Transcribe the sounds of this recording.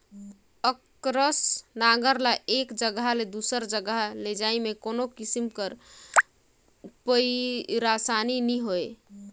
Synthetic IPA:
əkɾəsnaɡəɾlaekd͡ʒəɡaled̪usəɾd͡ʒəɡaled͡ʒaimekonokisimkəɾ | pəiɾasaniniɦoe

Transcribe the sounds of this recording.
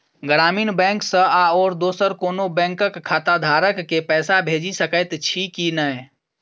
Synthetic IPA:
ɡɾaːmiːnbɛ̃ːŋksə̃aɔːɾd̪oːsəɾkoːnobɛ̃ːŋkəkʰːaːt̪ad̪ʱaːɾəkːepɛːsabʱeːd͡ʒisəkət̪t͡ʃʰikinəj

